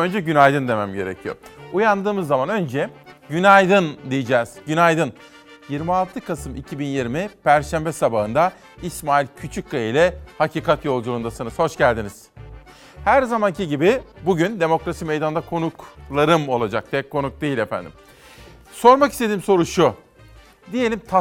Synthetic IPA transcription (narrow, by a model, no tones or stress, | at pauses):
ønd͡ʒɛɟynajd̪ɯnd̪e̞mæmɟe̞ɾecʰijo̰ujand̪ɯːmɯzːamanø̞nd͡ʒɛɟynajd̪ɯnd̪ijid͡ʒɛːz̥ɟynajd̪ɯn | jiɾmialˠt̪ʰɯkʰasɯmicʰibinjiɾmipʰæɾʃæmbɛsabaɦɯnd̪a | ismaːilʲcʰyt͡ʃʰyc̚kʰailʲɛhacʰiːkʰat̪jo̞lˠd͡ʒulˠund̪asɯnɯzho̞ʃɟælʲd̪iniz̥ | hæɾzamanciɟibibuɟynd̪e̞mo̞kɾasimejd̪and̪akʰo̞nuklˠaɾɯmo̞lˠad͡ʒak̚t̪ʰɛcʰːo̞nuk̚d̪ejilʲefæ̰nd̪ḭm | so̞ɾmakist̪ʰed̪iːmso̞ɾuʃu | d̪ije̞lʲimt̪ʰa